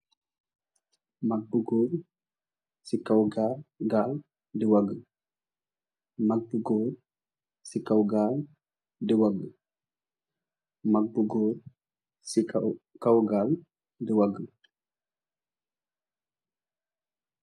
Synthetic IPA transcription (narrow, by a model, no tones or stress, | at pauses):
maɡ̚buɡoɾ | sikawɡaɡal | dɛwaɡə | maɡ̚buɡɔːɾ | sikawɡal | dɛwaɡə | maɡ̚buɡoːɾ | skawɡal | dɛwaɡə